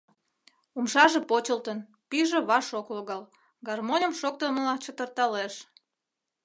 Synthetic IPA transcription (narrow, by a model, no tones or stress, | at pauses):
umʃɑʒĕpot͡ɕəlt̪ən | piʒeβɑʃokloɣɑl | ɡɑrmonʲəmʃok̚t̪əməlɑt͡ɕət̪ərt̪ɑleʃ